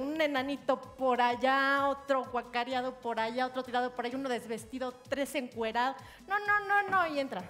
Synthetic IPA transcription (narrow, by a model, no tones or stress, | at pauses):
unenãnit̪o̞po̞ɾaʝao̞t̪ɾoɣwakaɾjað̞o̞po̞ɾaʝaot̪ɾot̪iɾaðopoɾajiunoðe̞zβe̞st̪iðot̪ɾe̞se̞ŋkweɾaðo | nonononoie̞nt̪ɾa